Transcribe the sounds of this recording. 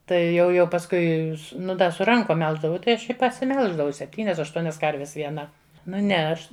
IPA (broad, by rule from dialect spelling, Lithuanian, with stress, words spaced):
ˈtɐɪ ˈjɛʊ jɛʊ pɐsˈkʊɪ sʊ nʊ dɐ sʊ ˈrɐŋkoːm ˈmʲɛlˠʒdɐʋɐʊ ˈtɐɪ ˈɐʃ ɪ pɐsʲɪˈmʲɛlˠʒdɐʋɐʊ sʲɛpʲˈtʲiːnʲɛs ɐʃˈtuɔnʲɛs ˈkɐrʲʋʲɛs ʋʲiɛˈnɐ nʊ ˈnʲɛ ˈɐʃ